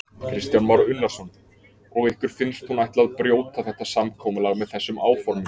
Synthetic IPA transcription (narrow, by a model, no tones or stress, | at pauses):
kʰɾɪst̪janmaɾʏnːḁsɔn | ɔɣɪhkvʏɾ̥fɪnst̪hunajht̪laðpɾjoːwt̪aθɛht̪ːasamkʰɔːmʏlaɣmɛðθɛsːʏmaːwfɔɾmʏ